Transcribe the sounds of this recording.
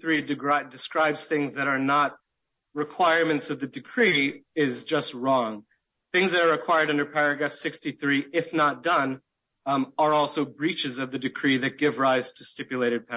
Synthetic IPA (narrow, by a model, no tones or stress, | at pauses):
θɹidɨɡɹadɨskɹaɪbz̥θɪ̃ŋzðɨɾə˞nət̚ | ɹɨkʰw̥aɪɹmɨ̃ntsʌvðɨdɨkʰɹ̥iɪzd͡ʒʌst̚ɹɔ̃ŋ | θɪ̃ŋzðɨɾə˞ɨkʰw̥aɪə˞ɾʌ̃ndə˞pʰɛɹɨɡɹæfsɪkstiθɹiɪfnət̚d̥ʌ̃n | ə˞ɔlˠsoʊbɹit͡ʃɨzʌvðɨdɨkʰɹ̥iðɨt̚ɡ̥ɪvɹaɪz̥tʰɨstɪpjɨleɪɾɨd̚pʰɛ